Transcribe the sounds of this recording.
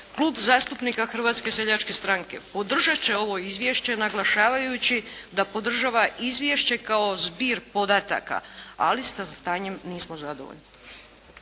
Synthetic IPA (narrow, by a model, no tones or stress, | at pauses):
kluːbzaːst̪upnikaxr̩ʋaːt̪ske̞seʎat͡ʃke̞st̪ɾaŋke̞pod̪r̩ʒat͡ɕe̞o̞ʋo̞izʋjeʃt͡ɕe̞naɡlˠaʃaːʋajut͡ɕid̪apo̞d̪r̩ʒaʋaizʋʲjeʃt͡ɕe̞kao̞zbiːɾpo̞d̪at̪a̰ka̰a̰lisast̪aːɲemniːsmozad̪oʋo̰ʎni